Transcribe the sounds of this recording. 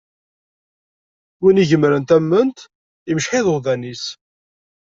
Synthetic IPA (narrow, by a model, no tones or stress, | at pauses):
winiʝəmɾənt̪æmːənt̪ | iməʃħɪðəʁðænis